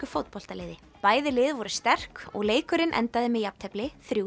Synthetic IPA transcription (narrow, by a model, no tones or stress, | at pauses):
ʏfowt̪̚pɔl̥t̪aleːðɪ | paːjðɪlɪːðvɔɾʏst̪ɛr̥kɔ̰ɣleːjkʏɾɪnʔɛ̰nt̪aðɪmɛðjap̚t̪ʰɛplɪθɾjuː